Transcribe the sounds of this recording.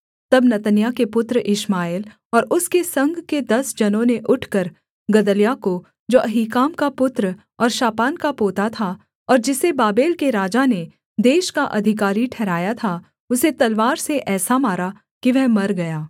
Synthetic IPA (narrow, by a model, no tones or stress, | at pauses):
t̪ɐbnɐt̪ənjakepʊt̪ɾʔɪʃmaːɪl | ɔːɾʊskesɐ̃ŋɡʱked̪ɐsd͡ʒɐnõneʔʊʈʰkɐɾ | ɡɐd̪əljako | d͡ʒoːʔɐɦikaːmkapʊt̪ɾ | ɔːɾʃaːpaːnkapoːt̪at̪ʰa | ɔːɾd͡ʒɪsebaːbeːlkeɾaːd͡ʒane | d̪eːʃkaʔɐd̪ʱɪk̬aːɾiʈʰɛːɾaːjat̪ʰa | ʊset̪ɐlʋaːɾseʔɛːsamaːɾa | kiʋɛɦmɐɾɡɐjaː